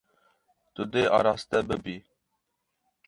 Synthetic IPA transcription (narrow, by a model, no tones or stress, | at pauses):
t̪ʊd̪eʔɑ̰ːɾɑːst̪ɛbɨbiː